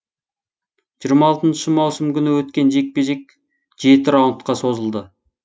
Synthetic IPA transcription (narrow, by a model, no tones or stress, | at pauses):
ʒijɾmɑːlˠt̪ənʃəmɑwsəmkʲʰʏnɪwɵt̪kʲe̞nʒe̞k̚pe̞ʒe̞k̚ʲ | ʒe̞t̪ɪɾɑwət̪qɑso̞zəlˠd̪ə